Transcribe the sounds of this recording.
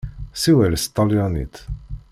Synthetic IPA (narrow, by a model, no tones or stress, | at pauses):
sɪwɛɾst̪ɐljɔnɪ̰ːt̪